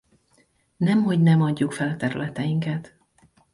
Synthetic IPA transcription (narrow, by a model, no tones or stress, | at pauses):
nɛmɦo̞ɟnɛmɒɟːukfɛlɒt̪ɛɾylɛt̪ɛjiŋkɛt̪